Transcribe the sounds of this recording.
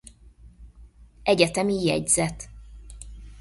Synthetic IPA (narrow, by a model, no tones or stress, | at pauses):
ɛɟɛt̪ɛmijɛ̰ɟzɛt̪